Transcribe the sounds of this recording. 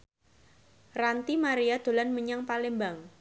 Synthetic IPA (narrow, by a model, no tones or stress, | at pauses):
rant̪imaɾiad̪̥o̤lanməɲaŋpalembaŋ